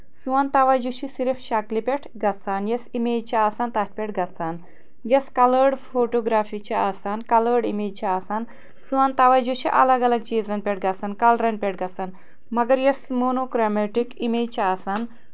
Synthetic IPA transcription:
suʋaːnt̪aʋajd͡ʒuɕisiɾfɕaklipʲeʈʰɡɐt͡sanjesimed͡ʑt͡ɕaaːsant̪at̚pʲeʈɡɐt͡san | jeskɐləɾɽfoːʈoɡɾaːfit͡ɕaaːsaːnkɐləɾɽimeːd͡ʒt͡ɕaːsaːn | suʋant̪aʋajd͡ʒuɕiʔɐ̰ləɡɐləɡ̚t͡ʃizənpʲeʈ̚ɡɐt͡sankalɾɐnpʲeʈʰɡɐt͡san | mɐɡəɾjesmonokɾameʈikimeːd͡ʑt͡ɕaːsaːn

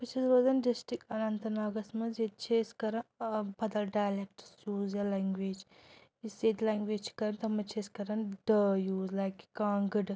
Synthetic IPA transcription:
pɨt͡ʃʰizɾoːzɐnɖisʈikɐnɐnt̪ɐnaːɡɐsmɐzet̪̚t͡ʃʰeːskɐɾɐnbɐd̪ɐlɖaːjlek̚ʈsjuːzjalaŋɡʋeːd͡ʒ | iseːt̪laːŋɡʋeːt͡ʃʰi̥kɐɾɐnt̪ɐmɐt͡ʃʰeːskɐɾɐnɖəjuːzlaːjki̥kãːŋɡɨɖ

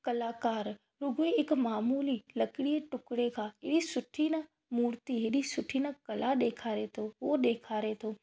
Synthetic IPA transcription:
kɐlaːkaːɾ | ɾʊɡoeɪkmaːmuːlilɐkɽieʈʊkɽekʰãɪɽisʊʈʰinə | muːɾt̪iɦɪɗisʊʈʰinəkɐlaɗeːkʰaːɾet̪ʰoʋoɗeːkʰaːɾet̪ʰoː

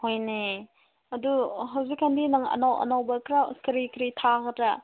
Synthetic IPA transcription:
hojne | ɐduɦawzikʰːandinaŋɐ̰nawʔɐ̰nawbɐkʰɾakɾikɾitʰaɡɐtɾɐ

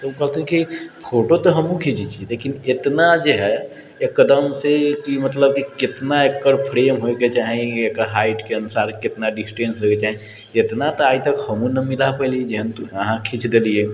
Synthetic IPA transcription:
t̪okɐɦt̪eɦɛ̃kipʰoːʈot̪oɦəmũkʰit͡ʃʰit͡ʃileːkinɪt̪nad͡ʒoɦɛ | jekəd̪əmsekimət̪ləb̚kikɪt̪naekːəɾpʰɾeːmɦoket͡ʃaːɦẽekəɾɦaːɪʈkeənʊsaːɾkɪt̪naɖɪsʈẽːnsɦoket͡ʃaːɦẽ | ɪt̪nat̪oaːit̪ɐkhəmũnɐmɪlapəɦlied͡ʒeɦənt̪əɦãkʰit͡ʃʰd̪elie

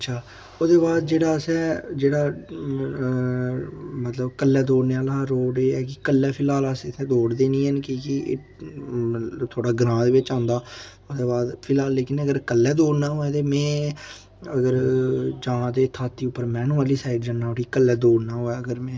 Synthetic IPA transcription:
ətːʃʰaː | od̪eːbaːd̪d͡ʒeːɽaːəsɛːd͡ʒeːɽaː | mət̪ləbkəlːɛːd̪oːɽneːaːlaːɾoːɖeːɛːkɪkəlːɛːpʰɪlaːlaset̪ʰɛ̃ːd̪oːɽd̪eːnĩːənkiːkiḛː | t̪ʰoːɽaːɡɾãːd̪eːʋɪt͡ʃãːnd̪aː | od̪eːbaːd̪pʰɪlaːlːeːkɪnəɡəɾkəlːɛːd̪oːɽnaːɦoːɛːt̪eːmɛ̃ː | əɡəɾd͡ʒãːd̪eːt̪ʰaːt̪ːiːʊpːəɾmɛːnũːəliːsaːɪɖd͡ʒənːaːoʈiːkəlːɛːd̪oːɽnaːɦoːɛːəɡəɾmɛ̃ː

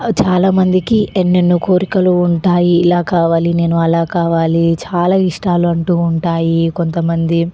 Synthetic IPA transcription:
t͡ʃaːlaːmɐnd̪ikiʔenːenːukʰoːɾikɐluːɳʈaːjiːlaːkaːʋaːline̞ːnuɐlaːkaːʋaːlit͡ʃaːlaːiʂʈaːluɐɳʈuːuɳʈaːjiko̞nt̪ɐmɐnd̪i

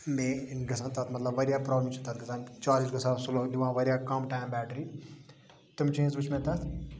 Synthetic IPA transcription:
mẽɡɐsãnt̪at̪mɐt̪lɐbʋɐɾjaːpɾɔːblmt͡ʃʰunt̪aːt̪̚ɡɐsãt͡ʃaːɾid͡ʒɡɐsãsuloːlʲiʋãʋɐɾʲjaːkɐmʈaːjmbɛːʈɾiː | t̪umt͡ʃẽːnzbɨt͡ʃʰmẽt̪ɐt̪ʰ

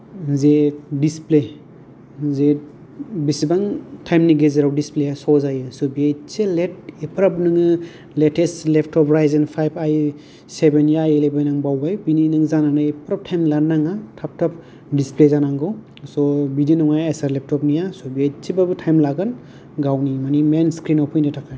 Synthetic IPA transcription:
zedisple | ze | bisibaŋtʰajmniɡezeɾawdisplejasɔzajɯsɔbiajt͡ʃelet̚epʰɾapnɯŋɯ | letʰestlepʰtʰɔpɾajzenpʰajbʰaj | sebenjajelebajnaŋbawbajbininɯŋzananajepʰɾap̚tʰajmlanaŋatʰap̚tʰap̚ | displezanaŋɡɔw | sɔbidinɔŋajesaɾlep̚tʰɔpnijasɔbiajsʰibabɯtʰajmlaɡɯn | ɡawnimanimenskɾinɔwpʰɔjnatʰakʰaj

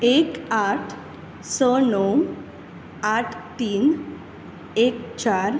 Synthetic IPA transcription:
ekaʈʰ | sənom | aʈʰt̪iːn | ek̚t͡ɕaɾ

